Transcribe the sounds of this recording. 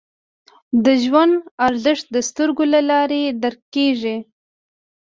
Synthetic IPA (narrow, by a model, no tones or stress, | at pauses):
d̪əʒwand̪aɾzəʂt̪̚d̪əst̪əɾɡolalɑɾed̪aɾkeʐi